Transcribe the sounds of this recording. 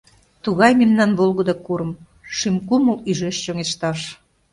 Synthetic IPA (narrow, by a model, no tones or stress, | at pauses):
t̪uɣɑjmemnɑnβolɣəd̪ɑkuɾəm | ʃymkuməlyʒeʃt͡ɕoŋeʃt̪ɑʃ